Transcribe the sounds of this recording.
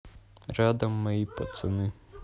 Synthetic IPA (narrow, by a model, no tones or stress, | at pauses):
rɑd̪ɐmːɐjipɔt̪sɪnɪ